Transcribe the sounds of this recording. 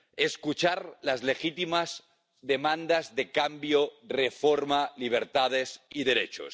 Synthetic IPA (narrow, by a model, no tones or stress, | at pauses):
eskut͡ʃaɾlazlexit̪imaz | ðemãnd̪azðekambjorefoɾmaliβ̞eɾt̪að̞esiðeɾet͡ʃo̰s